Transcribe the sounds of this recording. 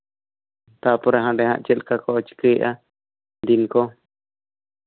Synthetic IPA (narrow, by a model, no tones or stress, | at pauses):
t̪apɔɾaɦãɖɛɦã̰ʔt͡ʃɛlkakɔɔt͡ʃkəjʔa | d̪inkɔ